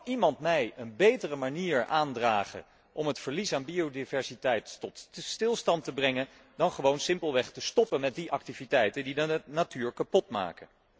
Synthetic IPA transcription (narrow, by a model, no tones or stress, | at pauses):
imɑntmɛjənbejtərəmaniːɹaːndraːχə̰ | ʔɔmɦətfəɹlisaːnbiodivɛɹsitɛjtːɔtstɪlˠstɑntəbrɛŋən | dɑnχəʋownsɪmpəlˠʋɛχtəstɔpənmɛt̚diʔɑk̚tivitɛjtəndidənatyːɹkɑpɔtma̰ːkə